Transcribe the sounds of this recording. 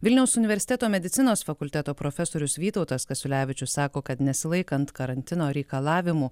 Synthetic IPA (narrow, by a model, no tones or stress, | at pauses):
ʋʲɪlʲnʲɛʊsʊnʲɪʋʲɛɾʲsʲɪ̥t̪ʲɛt̪oːmʲɛd̪ʲɪt̪sʲɪnoːsfɐkʊlʲt̪ʲæt̪oːpɾoːfʲɛsoːɾʲʊsʋʲiːt̪ɒʊt̪ɐskɐsʲʊlʲæːʋʲɪt͡ʃʲʊssɑːkoːkɐt̪nʲɛsʲɪlˠɐɪkɐnt̪kɐɾɐnʲt̪ʲɪnoːɾʲɛɪkɐlˠɑːʋʲɪmuː